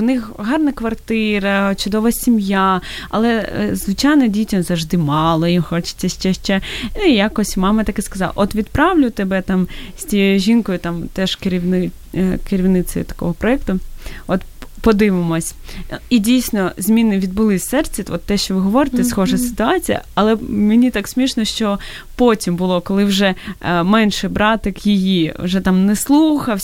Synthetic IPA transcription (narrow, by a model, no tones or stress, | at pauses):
wnɪxɦɑrnɐkʋɐrt̪ɪɾɐt͡ʃʊd̪ɔʋɐsʲimjaɐ̰lˠɛzʋɪt͡ʃɑjnɔdʲitʲɐmzɐʒd̪ɪmɑlˠɔjimxɔt͡ʃɪ̥t͡sʲːɐʃt͡ʃɛʃt͡ʃɛjakɔsʲmɑmɐt̪ɐkɪskɐzɑ̰lˠʔɔt̪ʋʲid̪pɾɑʋlʲʊt̪ebɛt̪ɑmsʲtʲijɔjʊʒinkɔjʊt̪ɑmt̪ɛʒ̥keɾʲiʋnɪ | kɪɾʲiwnɪt̪sɔjʊ̰t̪ɐ̥kɔ̰ɦɔpɾɔɛkt̪ʊɔt̪pɔd̪ɪʋɪmɔsʲidʲijsʲnɔzʲmʲinɪʋʲid̪̚bʊlˠɪsʲsɛrt͡sʲɐt̪ɔt̪ːɛʃt͡ʃɔʋɪɦɔʋɔɾɪt̪ɛsxɔʒɐsɪ̥t̪ʊɑt͡sʲijɐ̰ɐlˠɛmenʲit̪ɑksʲmʲiʃnɔʃt͡ʃɔ | pɔtʲimbʊlˠɔkɔlˠɪwʒɛmɛnʃɛbɾɑt̪ɪkjɪjiʋʒɛt̪ɑmnɛslˠuxɐw